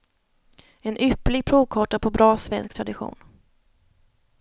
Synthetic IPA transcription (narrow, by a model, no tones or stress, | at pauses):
ɛnʔʏplɪɡ̚pʰɾuːvkʰɑːʈapʰɔbɾɑːsvɛnskt̪ʰɾad̪ɪɧṵːn